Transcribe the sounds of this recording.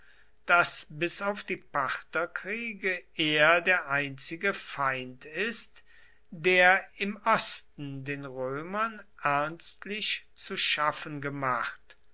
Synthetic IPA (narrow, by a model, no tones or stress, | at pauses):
d̥asbɪsaʊfd̥iːpaʁtɐkʁ̥iːɡəʔeːɐdeːɐʔaɪnt͡sɪɡəfaɪntɪst | d̥eːɐɪmʔɔstn̩deːnʁøːmɐnʔɛɐnstlɪçt͡suʃafənɡəmaχt